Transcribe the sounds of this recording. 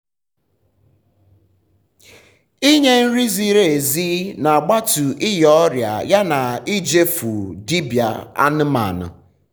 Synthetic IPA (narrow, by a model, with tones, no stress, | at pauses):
i˦ɲe˦n̩˦ɾi˦zi˦ɾe˨zi˦na˨a˨ɡ͡ba˦tu˨ʔi˦jɔ˦ɾja̰˨ja˦na˨i˦d͡ʒe˦fu˨di˦bja̰˨a̰˦n̩˦ma̰˨nʊ̰˨